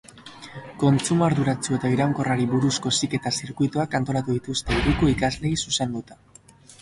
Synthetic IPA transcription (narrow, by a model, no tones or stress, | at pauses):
ko̞nt͡sumaɾðuɾat͡sue̞t̪aiɾawŋko̞raɾiβuɾusko̞sike̞t̪asiɾkujt̪oakant̪o̞lat̪uðit̪ust̪e̞irikoikazle̞isuse̞nd̪ut̪ḁ